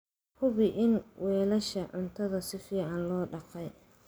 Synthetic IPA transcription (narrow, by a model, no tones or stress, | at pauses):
hʊβɪʔɪnwʔɛːlɐʃɐʕʊnt̪ʰɐðɐsɪfiːʕɑnlɔːɖɑqɛj